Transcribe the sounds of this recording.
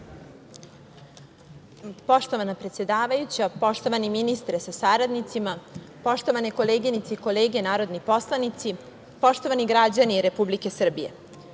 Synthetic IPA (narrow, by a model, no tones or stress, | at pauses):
po̞ʃt̪o̞ʋanapɾe̞t̪sjed̪aːʋajut͡ɕapo̞ʃt̪o̞ʋaniminist̪ɾesasaɾad̪nit̪sima | po̞ʃt̪o̞ʋaneko̞leːɡinit̪seiko̞leːɡe̞naːɾo̞d̪nipo̞slˠanit̪si | po̞ʃt̪o̞ʋaniɡɾad͡ʑaniːɾe̞publike̞sr̩bijḛ